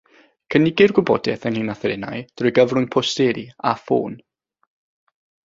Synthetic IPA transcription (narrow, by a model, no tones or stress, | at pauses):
kʰənɪɡɪrɡwʊbɔdɛθənhinaθəɾɪnajd̥rʊjɡəvrʊŋpʰɔstɛɾiafo̰ːn